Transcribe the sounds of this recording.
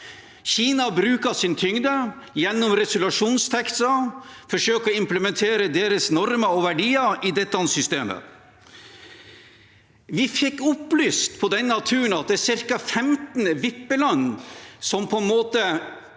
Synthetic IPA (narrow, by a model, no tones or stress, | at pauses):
çiːnɑbɾʉːkɑsɪnət̪ʰʏŋd̪ə | jɛnːɔmɾɛsʊlʉʂuːnst̪ʰɛksɑfɔʂøːkɔɪmpləmɛnt̪ʰeːɾəd̪eːɾəsnɔɾməɔʋæɖiːɑid̪ɛt̪ːəɑnsʏst̪eːmə̰ | ʋɪfɪkːʊplyːst̪pʰɔd̪ɛnːɑt̪ʰʉːɳ̩ɑt̪̚d̪ɛæsɪɾkɑfɛmt̪n̩ʋɪpːəlɑnːsɔmpʰɔɛnmoːt̪ə